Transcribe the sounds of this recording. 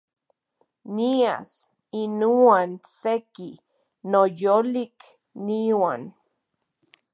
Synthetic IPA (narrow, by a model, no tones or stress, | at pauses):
nia̰s | inuanseki | nojolik | niwan